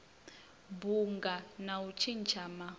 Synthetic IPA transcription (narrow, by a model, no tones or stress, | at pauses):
buŋɡanaut͡ʃʰint͡ʃʰama